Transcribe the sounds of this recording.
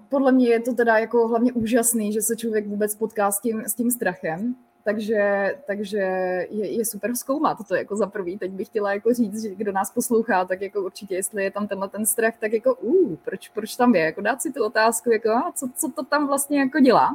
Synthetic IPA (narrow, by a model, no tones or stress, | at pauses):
podlɛmɲɛjɛt̪ot̪ɛdajako̞ɦlavɲɛʔuːʒasniːʒɛsɛt͡ʃlovjɛɡvuːbɛt͡spot̪kaːscɪmscɪmst̪ɾaxɛm | t̪aɡʒɛt̪aɡʒɛjɛjɛsupɛɾfskowmat̪t̪ːoja̰ko̞zapɾ̩viːt̪ɛc̚bɪxcɛlajakoriːt͡s̪ʒɛɡdonaːsposlowxaːt̪akjakouɾt͡ʃɪcɛjɛst̪lɪjɛt̪amt̪ɛnlɛt̪ɛnst̪ɾaxt̪akjako̞ʔuːpɾot͡ʃpɾot͡ʃt̪amjɛjako̞daːt̪sɪt̪uo̞t̪aːskujakoat͡sot͡sot̪o̞t̪amvlast̪̚ɲɛjakoɟɛla̰ː